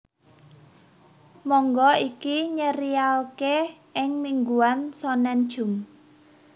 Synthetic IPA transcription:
mɔŋɡɔikiɲəɾialke | ɪŋmiŋɡuansɔnɛnd̥ʒ̥ʊ̤m

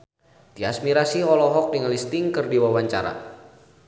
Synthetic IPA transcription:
d̥iasmiɾasiɦɔlɔɦɔk̚dəŋlist̪ɪŋkɨrdiwawaɲt͡ʃa̰ɾa̰

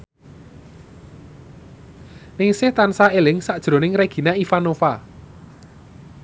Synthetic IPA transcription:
nɪŋsɪht̪ansaelɪŋsaʔd̥ʒ̥ɾo̤nɪŋreɡ̥i̤naifanofa

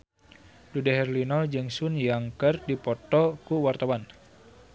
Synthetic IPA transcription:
dudɛɦɛrlinɔld͡ʒɨŋsunjaŋkərdipɔt̪ɔkuwart̪awan

